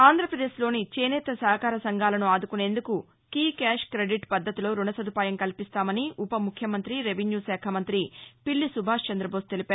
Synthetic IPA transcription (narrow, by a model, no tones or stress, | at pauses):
aːnd̪ʱɾɐpɾɐd̪eːʃlo̞ːnit͡ʃeːneːt̪ɐsɐɦɐkaːɾɐsɐŋɡʱaːlɐnuaːd̪ukune̞ːnd̪uku | kiːkɛːʂkɾeɖiʈpɐd̪ʱːɐt̪ilo̞ːɾunɐsɐd̪upaːjɐmkɐlipist̪aːmɐniʔupɐmukʰjɐmɐnt̪ɾiɾeʋinjuːsɛːkʰɐmɐnt̪ɾipiɭːisubʱaːʂt͡ʃɐnd̪ɾɐbʱoːst̪e̞lipaːɾu